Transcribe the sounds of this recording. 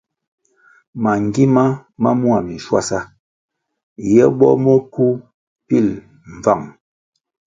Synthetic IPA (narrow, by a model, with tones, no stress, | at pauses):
ma˨ŋ˨ɡi˦ma˦ma˦mu˦a˨mi˨n̩˨ʃwa̰˦sa˦ | jɛ˦ɓɔ˦mə˦ku˦ | pi˦˨l | ɱ˨va˦˨ŋ